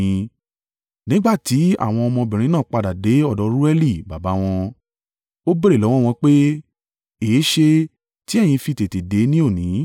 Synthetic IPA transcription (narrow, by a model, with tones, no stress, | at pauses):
nĩ˨˦ɡ͡ba˦˨ti˨˦a̰˦˨w̃ɔ̃˧ɔ˧mɔ̃˧bĩ˨ɾ̃ĩ˧˦nã˦˨k͡pa˧da˨de˨˦ɔ˦˨dɔ˨˧ɾu˦ɛ˦li˦˨ba˨ba˨˦w̃ɔ̃˧ | o˦be˦ɾe˦˨lɔ˨˦w̃ɔ̃˦˨w̃ɔ̃˧k͡pe˦ | eː˨˦ʃe˧ | ti˨˦ɛ˦˨j̃ĩ˧fi˧˨te˨te˨de˨˦nĩ˦o˦˨nĩ˨˦